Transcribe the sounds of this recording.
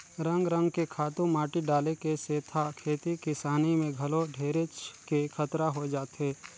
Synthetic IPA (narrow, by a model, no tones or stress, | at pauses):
ɾə̃ŋɡɾə̃ŋɡkekʰaːt̪ũmaːʈiɖaːlekeseːt̪ʰakʰeːt̪ikɪsaːnimẽɡʱɐloɖʱeːɾet͡ʃkekʰət̪ɾaɦod͡ʒaːt̪eː